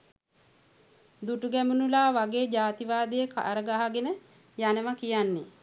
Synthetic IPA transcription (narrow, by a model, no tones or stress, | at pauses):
d̪uʈuɡæmunulaːʋaɡeːd͡ʒaːt̪iʋaːd̪ijəka̰ʔɾəɡaɦaɡenə | janəʋakijanːe